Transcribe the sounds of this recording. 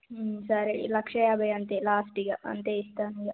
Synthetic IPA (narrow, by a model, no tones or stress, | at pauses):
sɐɾelɐkʂɐjaːbɐjɐnt̪elaːsʈiɡɐʔɐ̰nt̪eist̪anijɐ